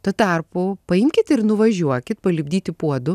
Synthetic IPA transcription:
t̪ɐt̪ɑːrpʊpɐɪmʲkʲɪt̪ɪɾnʊʋɐʒʲuɔkʲɪt̪̚pɐlʲɪbʲd̪ʲiːt̪ʲɪpuɔd̪ʊ

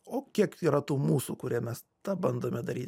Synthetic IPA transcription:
oːkʲiɛkiːɾɐt̪uːmuːsṵːkʊɾʲiɛmʲɛs | t̪ɑbɐnd̪oːmʲɛd̪ɐɾʲiːt̪

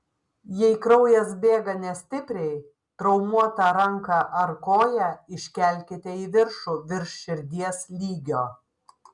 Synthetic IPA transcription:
jɛɪkɾɐʊjɛsbʲeːɡɐnʲɛsʲt̪ʲɪpʲɾʲɛɪ | t̪ɾɒʊmuɔt̪ɑɾɐŋkɑʔɐɾkoːjɛɪʃʲkʲɛˑlʲkʲɪt̪ʲɛiːʋʲɪɾʃuːʋʲɪɾʃʃʲɪɾʲd̪ʲiɛslʲiːɡʲoː

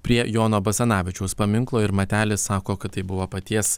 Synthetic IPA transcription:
pʲɾʲiɛjoːnoːbɐsʲɛnɑːʋʲɪt͡ʃʲɛʊspɐmʲɪŋklˠoːɪɾmɐt̪ʲæːlʲɪsssɑːkoːkɐt̪t̪ːɐɪbʊʋoːpɐt̪ʲiɛs

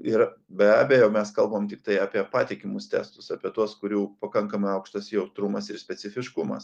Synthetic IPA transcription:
ɪɾ | bʲɛæːbʲejɛʊmʲɛskɐlˠbomt̪ʲɪk̚t̪ɐɪɑːpʲiɛpɑːt̪ʲɪkʲɪmʊst̪ʲɛ̰ːst̪ʊsɑːpʲiɛt̪uɔskʊɾʲuːpɐkɐŋkɐmɐɪɐʊkʃt̪osʲjɛʊt̪ɾʊmɐsɪɾsʲpʲɛsʲɪfʲɪʃkʊmɐ̰s

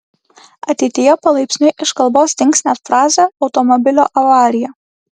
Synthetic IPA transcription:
ɐt̪ʲɛɪt̪ʲɪjɛːpɐlˠɐɪpʲsʲnʲʊʔɪʃkɐlˠboːst̪ʲɪŋʲksʲnʲæːfɾɑːzʲɛɒʊt̪ɔmɔbʲɪlʲoːʔɐʋɑːɾʲɪjɛː

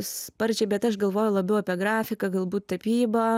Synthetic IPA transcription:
spɐɾʲd͡ʒʲɛɪbʲɛt̪ɐʃɡɐlˠʋoːjʊlˠɐbʲɛʊɐpʲɛɡɾɑːfʲɪkɐɡɐlˠbuːt̪̚t̪ɐpʲiːbɐ

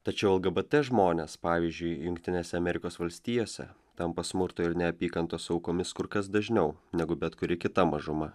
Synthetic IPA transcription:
t̪ɐt͡ʃʲɛʊɛlˠɡɐbɐt̪ʲɛʒmoːnʲeːspɑːʋʲizʲd͡ʒʲʊɪjʊŋk̚ʲt̪ʲɪnʲeːsʲɛɐmʲɛɾʲɪkoːsʋɐlʲsʲt̪ʲiːjoːsʲɛ̰ | t̪ɐmpɐsmʊɾt̪oɪɾnʲɛɐpʲiːkɐnt̪oːsʊɐʊkoːmʲɪskʊɾkɐsd̪ɐʒʲnʲɛʊnʲɛɡʊbʲɛt̪kʊɾʲɪkʲɪt̪ɐmɐʒʊmɐ

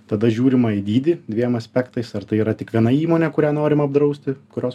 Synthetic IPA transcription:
t̪ɐd̪ɐʒʲuːɾʲɪmɐɪd̪ʲiːd̪ʲɪd̪ʲʋʲiɛmɐsʲpʲɛkt̪ɐɪsɐɾt̪ɐɪiːɾɐt̪ʲɪkʋʲiɛnɐiːmoːnʲɛkʊɾʲæːnoːɾʲɪmɐbd̪ɾɐʊsʲt̪ʲɪkʊɾʲoːs

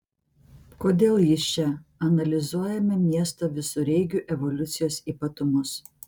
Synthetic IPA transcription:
koːd̪ʲeːlˠjɪst͡ʃʲɛɐnɐlʲɪzuɔjɛmʲɛmʲiɛst̪oʋʲɪsʊɾʲɛɪɡʲuˑʔɛʋɔlʲʊt̪sʲɪjoːsiːpɐt̪ʊmʊs

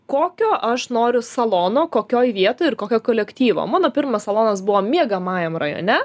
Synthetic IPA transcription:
koːkʲoːʔɐʃnoːɾʲʊsɐlˠoːnoːkoːkʲoːjʋʲiɛt̪oːjɪrkoːkʲoːkoːlʲɛkt̪ʲiːʋo̰ːmɑːnoːpʲɪɾmɐssɐlˠoːnɐsbʊʋoːmʲiɛɡɐmɑːjɛmrɐjo̰ːnʲɛ

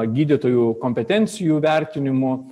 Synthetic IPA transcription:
ɡʲiːd̪ʲɪt̪oːjuːkoːmʲpʲɛt̪ʲɛnʲt̪sʲɪjuːʋʲɛɾʲt̪ʲɪnʲɪmʊ

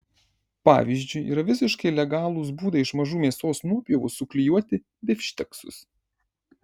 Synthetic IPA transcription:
pɑ̰ːʋʲizʲd͡ʒʲʊɪḭːɾɐʋʲɪsʲɪʃkɐɪlʲɛɡɑːlˠʊsbuːd̪ɐɪʃmɐʒuːmʲeːsoːsnuɔpʲɛʋʊsʊklʲɪjuɔt̪ʲɪ | d̪ʲɪfʲʃʲt̪ʲɛksʊ̰s

